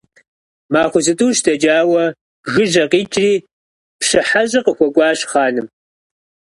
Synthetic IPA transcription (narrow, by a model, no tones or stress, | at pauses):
maːχʷʊzɨtʼuːʃdʰɐd͡ʒaːwɐ | ʒɨʒɐqiːt͡ʃʼriː | pɕɨħaʑʼɐqəxʷɔkʷʼɑːɕχaːnɨm